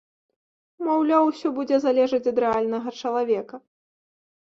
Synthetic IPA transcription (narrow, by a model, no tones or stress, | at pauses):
mawlʲawsʲɔbud͡zʲɛzalʲɛʐɐt͡sʲɐd̪ɾɛalʲnɐɣɐt͡ʂɐlˠavʲɛkɐ